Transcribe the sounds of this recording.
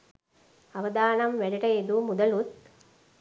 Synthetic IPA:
aʋɐd̪aːnɐmʋæɖɐʈɐed̪umud̪ɐlut̪̚

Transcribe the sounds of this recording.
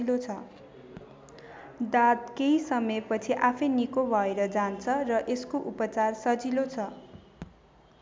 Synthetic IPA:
ilot͡sʰʌ | d̪ad̪keisʌmʌjpʌt͡sʰiʔapʰʌjnikobʱʌeɾʌd͡zant͡sʰʌrʌʔeskoʔupʌt͡sarsʌd͡zilot͡sʰʌ

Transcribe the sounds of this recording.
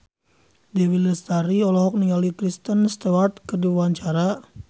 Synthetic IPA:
dewiləst̪aɾiɔlɔɦɔk̚niŋɡalikɾist̪ənst̪ewart̪̚kəduaɲt͡ʃaɾa

